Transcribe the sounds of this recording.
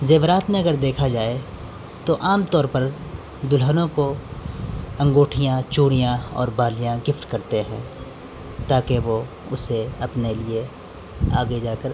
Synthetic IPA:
zeːʋɾaːt̪mẽɐɡəɾd̪eːkʰad͡ʒaːe | t̪oʔaːmt̪ɔːɾpɐɾ | d̪ʊlɦənõko | ɐ̃ŋɡoːʈʰijãt͡ʃuːɽ̃ijãɔ̰ːɾbaːlijãɡɪfʈkɐɾt̪eɦɛ̃ː | t̪aːkeʋo | ʊseɐpnelie | a̰ːɡed͡ʒaːkəɾ

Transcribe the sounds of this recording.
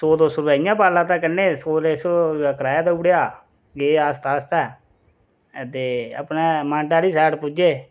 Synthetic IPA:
soːd̪oːsɾʊbɛːĩjãːpaːlãːt̪ãːkənːeːsoːɾeːsoːɾaːkəɾaːjaːd̪auːɽejaː | ɡeːaːst̪aːst̪ɛː | t̪eːə̰pnɛ̃ːmãːɳʈaːɽiːsɛːʈpʊd͡ʒeː

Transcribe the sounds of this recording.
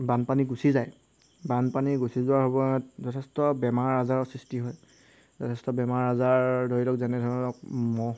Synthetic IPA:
banpaniɡusizaj | banpaniɡusizʊwaɹɦobɔtzɔtʰɛstɔbɛmaɹazaɹɔsɹistiɦɔj | zɔtʰɛstɔbɛmaɹazaɹdʱoɹilɔkzɛnɛdʱɔɹɔlɔk̚mɔ

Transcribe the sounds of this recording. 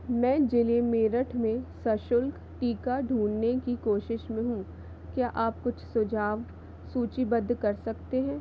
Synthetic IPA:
mɛ̃ːd͡ʒɪlemeːɾəʈʰmẽsɐʃʊlk | ʈiːkaɖʱuːnːekikoːʃɪʃmẽɦũː | kjaːʔaːpkʊt͡ʃʰsʊd͡ʒʱaːʋ | suːt͡ʃibɐd̪ʱːkɐɾsɐkt̪eɦɛ̃ː

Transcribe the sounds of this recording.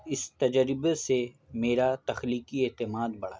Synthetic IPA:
ɪst̪ɐd͡ʒəɾɪbese | meːɾat̪ɐxliːkieːt̪ɪmaːd̪bɐɽa̰

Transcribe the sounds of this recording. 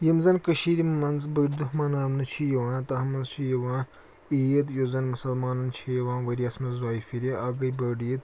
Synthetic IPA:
jɐmzɐnkɐʃiːɾʲimɐnzbɐɖid̪uɦmaːnaːmnɐt͡ʃʰijɐʋãːt̪ɐɦɐmɐnzt͡ʃʰijɐʋãː | ijɐt̪jozɐnmɐsɐlmaːnɐnt͡ʃʰijɐʋãːʋɐɾʲiɐsmɐnzwaːifiɾʲiʔaːɡɐjbɐɖijit̪

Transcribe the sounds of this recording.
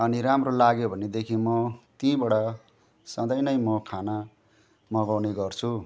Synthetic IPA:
ʌniɾamrolaɡjobʱʌned̪ekʰĩmʌt̪ĩbʌɽʌ | sʌ̃d̪ʌjnʌjmʌkʰana | mʌɡawneɡʌrt͡sʰu

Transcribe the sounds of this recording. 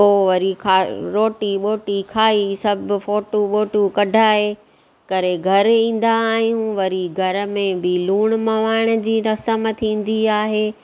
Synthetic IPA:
oːʋɐɾikʰaːɾoːʈiɓoːʈikʰaːisɐb̆foːʈuɓoːʈukɐɖʱaːɦe | kɐɾeɡʱɐɾĩːn̆d̪aːɦijũʋɐɾiɡʱɐɾə̆mẽbɪluːɽ̃mɐʋaːɪɽ̃ə̆d͡ʑiːɾɐsəmt̪ʰĩːn̆d̪iaːɦeː

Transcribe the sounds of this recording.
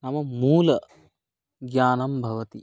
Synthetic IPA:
nɐmɐmuːlɐ | ɡjaːnɐmbʱɐʋɐt̪i

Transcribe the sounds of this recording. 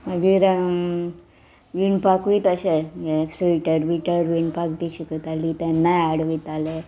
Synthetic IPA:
məɡiɾ | ʋinpakʋit̪əɕeeksəiʈəɾbiʈəɾʋiɳpakd̪iɕikət̪alit̪ɛnːajaɽʋit̪ale

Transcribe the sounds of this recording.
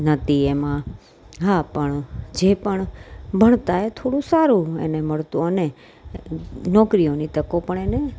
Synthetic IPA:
nət̪iemã | ɦapəɳd͡ʒepəɳbʱəɳ̃t̪aet̪ʰoːɽũsaɾũḛneməɭt̪ũəne | nɔːkɾijonit̪əkopəɳene

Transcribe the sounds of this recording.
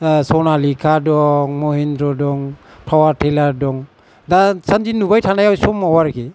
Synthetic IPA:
sɔnalikʰadɔŋmɔhinɾɔdɔŋ | pʰawaɾtʰelaɾdɔŋ | dasand͡ʒinubajtʰanajawsɔmawaɾɡi

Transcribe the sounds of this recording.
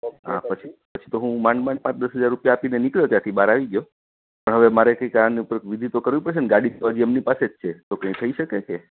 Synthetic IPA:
ɦa̰pət͡ʃʰi̥pət͡ʃʰi̥t̪oɦũmãɳmãɳpãt͡ʃd̪əsɦəd͡ʒaɾːupjaːpinenikljot̪jãt̪ʰibaɾaʋiɡjo | pəɳɦəʋemaɾekəikaɾəɳniupəɾʋid̪ʱit̪okəɾʋĩpəɾʃenɡaɽit̪ʰoad͡ʒiemnipaset͡ʃʰet̪okə̃ĩt̪ʰəiʃəkeke

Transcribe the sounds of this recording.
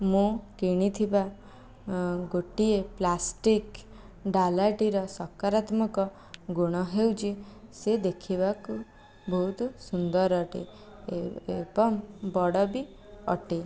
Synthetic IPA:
mũkiɽ̃it̪ʰiba | ɡoʈieplasʈik | ɖalaʈiɾɔsɔkaɾat̪mɔkɔ | ɡuɽ̃ɔɦewt͡ʃʰised̪ekʰiβaku | bʱɔut̪usund̪ɔɾɔʈḭ | ebɔmbɔɽɔbi | ɔ̰ʈi

